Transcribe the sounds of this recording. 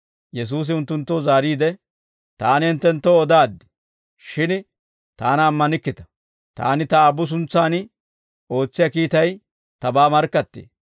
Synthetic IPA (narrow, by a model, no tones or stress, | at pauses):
jɛs̬uːs̬ɪʊnt̪ːʊnt̪ːozaːɾiːd̪ɛ | t̪aːnɪɪnt̪ːɛnt̪ːoɔd̪aːd̪ːɪ̥ | ʃɪn | t̪aːnɐːmːɐnɪkːɪt̪ɐ̥ | t̪a̰ːnɪt̪ɐːbːʊs̬ʊnt͡sːaːn | o̞ːt͡sːɪjakiːt̪ɐj | t̪ɐbaːmɐɾkːɐt̪ːḛː